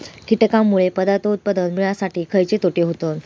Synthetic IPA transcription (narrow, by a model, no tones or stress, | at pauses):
kiʈkamːuɭepəd̪at̪ot̪̚pəd̪əlmiɭasaʈiːkʰəjt͡ɕet̪oʈeɦot̪o